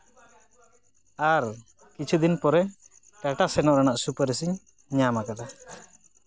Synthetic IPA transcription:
aɾ | kit͡ʃʰud̪inpɔɾɛ | ʈaʈasɛnɔʔɾanaʔsupəɾəs̬iɲ | ɲamakad̪a

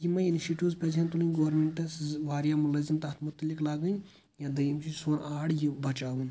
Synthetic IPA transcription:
jimɐinʃiʈoːzpʲɐd͡ʒent̪ulɨnʲɡoʋɾmeɳʈːɐsʋaːɾjaːmulɐzimt̪ɐht̪mʊt̪ːɐliklaːɡɐn | jãːd̪ɐjimt͡ʃʰisoːnaːɽjibɐt͡ʃaːʋun

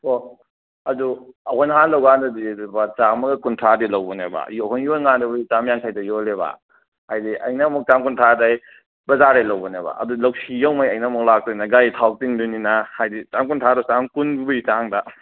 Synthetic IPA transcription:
o | ɐduɐhɔjnɦanlɐwɡandɐdibat͡ʃamɐɡɐkuntʰadilawbɔneba̰joɦɔnjolŋandibit͡ʃamjaŋsʰajtɐjoleba̰ | hajdiʔɐ̰jnamuk̚t͡ʃamkuntʰadaj | bɐzaɾajlɐwbɔneba̰ʔɐ̰dulɐwsijawmajɐjnamuk̚lak̚tɔjnaɡajtʰaw̚tiŋduninahajdit͡ʃamkuntʰaɾɔsamkunbbuitaŋda

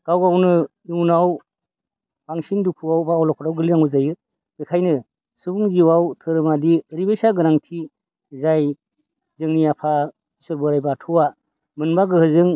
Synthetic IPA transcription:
ɡ̥awɡawnɯ | uwnaw | baŋsindupʰuawbaːwlɔkʰɔtawɡɯliɾaŋuzajɯ | ɯkʰajnɯ | subuŋziwawtʰɯɾɯmadiɾibejsaɡɯɾaŋtʰi | zaj | zɯŋnijapʰa | isɔɾbɯɾajbatʰuwa | mɯnbaɡɯhɯzɯŋ

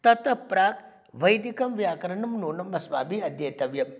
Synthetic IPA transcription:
t̪ɐt̪ɐpɾaːk | ʋɐjd̪ikɐmʋjaːkɐɾɐɳɐmnoːnɐmːɐsʋaːbiɐd̪jɐjt̪ɐʋjɐm

